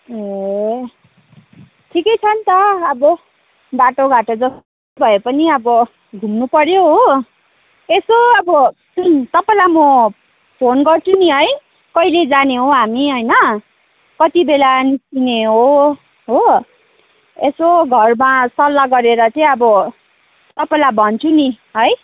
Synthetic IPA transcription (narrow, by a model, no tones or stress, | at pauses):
e | ʈʰikʌjt͡sʰʌnt̪ʌːbʌ | baʈoɡʱaʈod͡zʌst | obʱʌepʌniʌbʌ | ɡʱumnupʌɾjoɦo | esoʌbʌ | t̪ʌpailamʌ | pʰonɡʌrt͡sʰuniɦʌj | kʌiled͡zaneɦõɦamiɦʌjnʌ | kʌt̪ibelanisineɦo | ɦo | esoɡʱʌrmasʌlːaɡʌɾeɾʌt͡sʌĩʌbʌ | t̪ʌpaẽlabʱʌnt͡sʰuni | ɦʌj